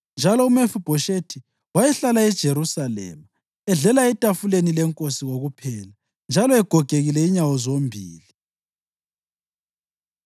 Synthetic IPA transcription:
nd͡ʒʱalɔumefub̥ʱɔʃetʰi | wajɛɬalaɛd̥ʒ̥ʱeɾusalɛ̰ːma | ɛɮɛlaɛtʼafulenilɛŋkʼosiɣoɣupʰɛːla | nd͡ʒʱalɔɛɡ̥ʱɔɡ̥ʱeɣilɛiɲawɔzombʱiːli

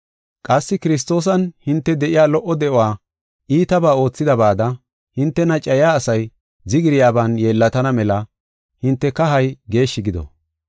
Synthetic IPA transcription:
kʼɐsːɪkɪɾɪs̬t̪o̞ːs̬ɐnhɪnt̪ːɛd̪ɛʔɪjaːlɔʔːɔd̪ɛʔɔwaː | ʔiːt̪ɐbaːo̞ːt͡sːɪd̪ɐbaːd̪ɐ | hɪnt̪ːɛnɐt͡ʃʼːɐjaːsɐj | zɪɡɪɾɪjaːbaːnjeːlːɐt̪ɐnɐmɛlɐ | hɪnt̪ːɛkɐɦɐjɡe̞ːʃːɪɡɪd̪ɔ̰

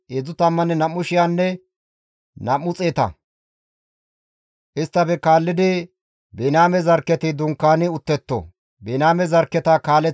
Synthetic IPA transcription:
ɛd͡zʊt̪ɐmːɐnɛnɐmːʊʃɪjaːnːɛ | nɐmːʊt͡sʼeːt̪ɐ̰ | ʔɪst̪ːɐbɛkaːlːɪd̪ɪ | bɛnaːmɛzɐɾkːɛt̪ɪd̪ʊŋkːaːnɪʊt̪ːɛt̪ːɔ̰ | bɛnaːmɛzɐɾkːɛt̪ɐkaːlɛ

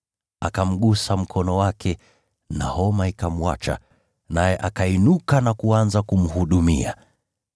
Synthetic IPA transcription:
akam̩ɠusam̩kʰɔnɔwakʰɛ | nahɔmaikam̩wa̰t͡ʃa̰ | najɛʔakainukanakuanzakum̩huɗumḭa

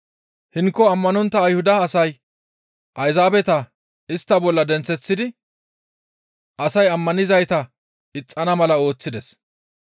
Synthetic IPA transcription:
hɪŋkːɔɐmːɐnɔnt̪ːɐːjhʊd̪ɐːsɐj | ʔɐjzaːbɛt̪ɐ | ɪst̪ːɐbɔlːɐd̪ɛnt͡sːɛt͡sːɪd̪ɪ | ʔɐsɐjɐmːɐnɪzɐjt̪ɐ | ɪt͡sʼːɐnɐmɐlɐo̞ːt͡sːɪd̪ɛs

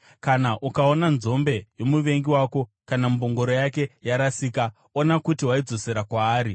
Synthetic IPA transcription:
kanaʔukao̞nanzo̞mbe̞jomuʋe̞ŋɡiwaːko̞ | kanamubʱoŋɡo̞ɾo̞jake̞jaɾasiːka | o̞nakutiwaid͡zo̞se̞ɾakwaːɾi

